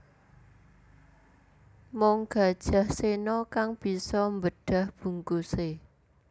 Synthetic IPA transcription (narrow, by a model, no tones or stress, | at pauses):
mɔŋɡ̥a̤d̥ʒ̥a̤hsenɔkaŋb̥i̤sɔmbəɖ̥ä̤hb̥ṳŋkuse